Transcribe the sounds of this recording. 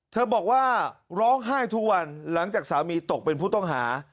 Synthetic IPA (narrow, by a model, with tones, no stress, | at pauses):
t̪ʰɤː˧bɔː˨˩k̚waː˥˩ɾɔː˦˥ŋɦaː˥˩jt̪ʰu˦˥k̚wa˧nla˩˦ŋt͡ɕaː˨˩k̚saː˩˦miː˧t̪o˨˩k̚pe˧npʰuː˥˩t̪ɔ˥˩ŋɦa̰ː˩˦